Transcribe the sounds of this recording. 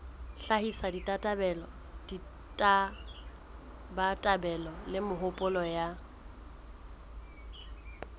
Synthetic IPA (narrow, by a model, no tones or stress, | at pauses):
ɬahisaditʼatʼabɛlɔ | d̥i | tʼa | batʼabɛlɔlɪmʊɦʊpʼʊlɔja